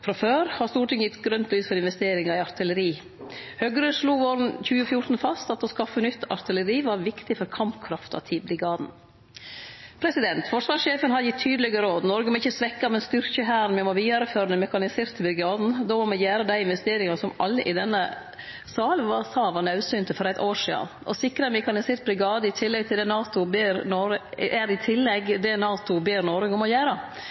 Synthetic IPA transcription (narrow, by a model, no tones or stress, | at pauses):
fɾɑføːɾhɑɾst̪uːʈɪŋəjɪt̪ːɡɾœnt̪lyːsfɔɾɪnʋɛst̪eːɾɪŋɑɪɑɾt̪ʰɪləɾiː | hœɡɾøʂluːʋoːɾn̩çʉːəfjʊɾt̪n̩fɑst̪ɑt̪ɔskɑfːənʏt̪ʰːɑ̰ɾt̪ʰɪləɾiːʋɑɾʋɪkt̪ɪfɔɾkʰɑmpkʰɾɑft̪ɑ̰t̪ʰɪblɪɡɑːd̪n | pʰɾɛsɪd̪ɛnt̪fɔʂʋɑːʂʃeːfənhɑd̪jɪt̪ʰːyːd̪lɛɡəɾoːd̪nɔɾɡəmɛɪçːəsʋɛkːɑmɛnst̪ʏɾçəɦæːɾn̩mɛmɔʋiːɑɾəføːɾənəmɛkɑnɪseːɾt̪ʰːɪbɾɪɡɑːd̪n̩d̪oːmɔmɛjæːɾəd̪æɪɪnʋɛst̪eːɾɪŋɑsɔmɑlːəʔɪd̪ɛnːə | sɑːlənʋɑsɑːʋɑnɑʉsyːnt̪ʰəfɔɾæɪt̪oːʂḭːɑ̰nʔɔ̰sɪkɾɑmɪkɑnɪsɪɾt̪̚bɾɪɡɑːd̪əɪt̪ʰɪlːɛɡ̚t̪ʰɪld̪ɛːnɑːt̪ʊbeːɾnɔɾəʔæɾɪt̪ʰɪlːɛɡd̪ɛnɑːt̪ʊbeːɾnɔɾəɡɔmɔjæːɾə